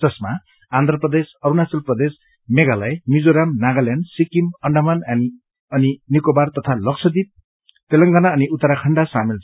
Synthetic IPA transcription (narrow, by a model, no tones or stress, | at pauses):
ʌsma | and̪ʱrʌprʌd̪esʌɾunat͡sʌlprʌd̪es | meɡalʌjmid͡zoɾamnaɡaljanɖsikimʌɳɖamann | ʌninikobart̪ʌt̪ʰalʌk̚sʰʌd̪ip̚ | pelʌŋɡanaʌniʔut̪ːʌɾakʰʌɳɖasamil